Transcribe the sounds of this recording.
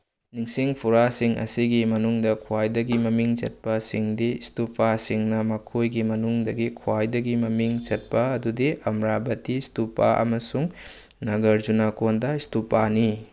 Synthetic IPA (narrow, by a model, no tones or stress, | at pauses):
niŋsiŋpʰuɾasiŋʔɐ̰siɡimɐnuŋdɐkʰuajdɐɡimɐmiŋt͡ʃɐ̰t̚pɐsiŋdistupasiŋnɐmɐkʰojɡimɐnuŋdɐɡikʰuwajdɐɡimɐmiŋt͡ʃɐt̚pɐɐdudiʔɐmɾabɐtistupaʔɐ̰mɐsuŋ | nɐɡɐɾd͡ʒunakondɐistupani